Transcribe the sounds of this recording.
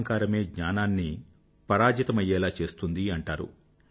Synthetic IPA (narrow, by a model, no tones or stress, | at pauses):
ŋkaːɾɐme̞ːɡɲaːnaːnːi | pɐɾaːd͡ʒɐt̪ɐmɐjːɛːlaːt͡ʃe̞ːst̪und̪iɐɳʈaːɾṵ